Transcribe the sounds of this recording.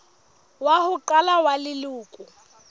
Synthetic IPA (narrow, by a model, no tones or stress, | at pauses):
wahʊǃalawalɪlʊːkʼʊ